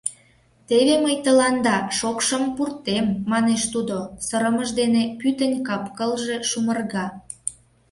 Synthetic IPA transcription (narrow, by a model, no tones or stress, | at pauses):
t̪eβeməjt̪əlɑnd̪ɑʃokʃəmpurt̪emːɑneʃt̪ud̪osəɾəməʒd̪enepyt̪ənʲkɑpkəlʒe̽ʃumərɣɑ